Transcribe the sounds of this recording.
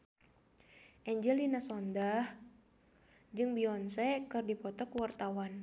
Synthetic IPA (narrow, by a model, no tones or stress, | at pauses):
ʔɛɲd͡ʒɛlinasɔndah | d͡ʒɨŋbiɔnsɛkɨrdipɔt̪ɔkuwart̪awan